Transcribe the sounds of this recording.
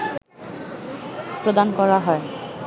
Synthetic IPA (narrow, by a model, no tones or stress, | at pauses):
pɾod̪ankɔɹaɦɔe